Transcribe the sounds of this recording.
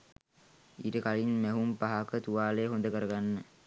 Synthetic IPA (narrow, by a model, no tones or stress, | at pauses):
iːʈəkalinmæɦumpaɦakət̪uʋaːleːɦond̪əkəɾəɡanːə